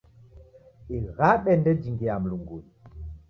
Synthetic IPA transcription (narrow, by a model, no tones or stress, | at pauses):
eɣaɓɛndɛd͡ʒiŋɡiam̩luŋɡul